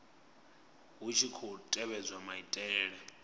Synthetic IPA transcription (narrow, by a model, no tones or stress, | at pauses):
ɦut͡ʃʰikʰɔtʼɛβɛd͡zwamaitʼɛːɺɛ